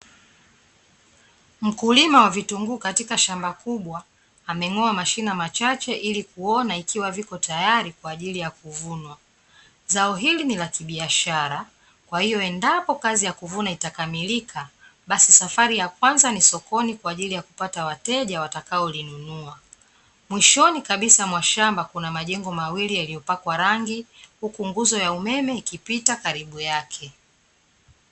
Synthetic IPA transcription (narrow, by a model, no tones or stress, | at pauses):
m̩kulimawavituŋɡukatikaʃambakuɓwaː | mɛŋɔamaʃinamat͡ʃat͡ʃɛʔilikuɔnaikʰiwavikɔtajaɾikwaːʄilijakuvunwa | zaɔɦilinilakiɓiaʃaɾa | kwahijɔɛndapɔkazijakuvunaitakamilikʰaɓasisafaɾijakwanzanisɔkɔnikwaːʄilijakupatawatɛʄawatakaɔlinunua | mwiʃɔnikaɓisamwaʃambakunamaʄɛŋɡɔmawilijaliɔpakwaɾaŋɡihukuŋɡuzɔjaumɛmɛikipitakaɾiɓujakʰɛ